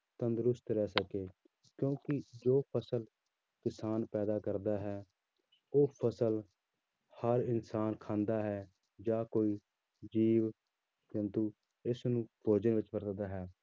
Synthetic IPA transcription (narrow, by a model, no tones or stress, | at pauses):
t̪ənd̪əɾʊst̪ɾɛːsəkeː | kjõːkɪd͡ʒoːpʰəsəl | kɪsaːnpɛːd̪aːkəɾd̪aːɦɛː | oːpʰəsəl | həɾɪnsaːnkʰãːnd̪aːɦɛː | d͡ʒaːkoːiː | d͡ʒiːʋ | t͡ʃənt̪uː | ɪsnũːpoːd͡ʒəʋɪt͡ʃbəɾd̪d̪aːɦɛː